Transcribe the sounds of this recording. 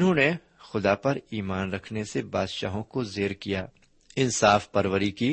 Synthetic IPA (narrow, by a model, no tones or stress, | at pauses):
ʊnɦõːne | xʊd̪apɐɾiːmaːnɾɐkʰnesebaːd̪ʃa̰ːɦõkozeːɾkijaː | ɪnsaːfpɐɾʋəɾikiː